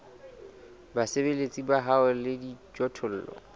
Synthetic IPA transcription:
basebelet͡sʼibaɦaʊlɪdit͡ʃʼɔtʰʊl̩ːlɔ̰

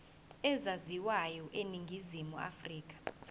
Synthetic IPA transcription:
ɛzaziwajɔʔeniŋɡʱizimua̰friːk̬ʼḁ

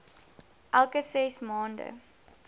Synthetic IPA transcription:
ʔælˠkəsɛsmɑːndə̰

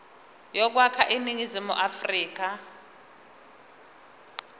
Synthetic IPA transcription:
jɔk̬wakʰaʔiniŋizimṵʔafriːk̬a

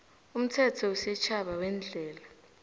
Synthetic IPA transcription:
um̩tʰɛtʰɔusɛt͡ʃʰaɓawɛnd͡ɮʱɛːla

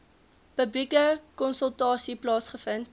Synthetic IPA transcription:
pəblikəkɔnsəlˠtɑːsiplɑːsχəfənt

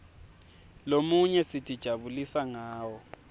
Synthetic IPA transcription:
lomuɲɛsitʰʼid̥ʒ̥ʱaβulisaŋaːwɔ

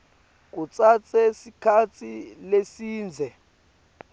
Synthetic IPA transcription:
k̬ut͡sʼat͡sʼɛsikʰat͡sʰilesiːnd͡zʱɛ

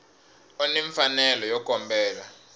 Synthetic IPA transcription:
ɔniɱfanɛlɔjɔkɔmbɛːla

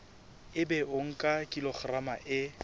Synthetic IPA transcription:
ɪbɛʔoŋ̩kʼakʼilɔχramaʔɪ

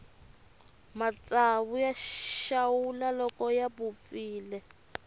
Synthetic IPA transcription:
mat͡saβujaʃawulalɔkɔjaβup̪fiːlɛ

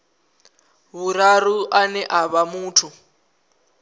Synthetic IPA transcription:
βuɾaɾuʔanɛʔaβamuːtʰu

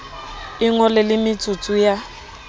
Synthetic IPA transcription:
ɪŋɔlɛlɪmɪt͡sʰʼut͡sʰʼuja

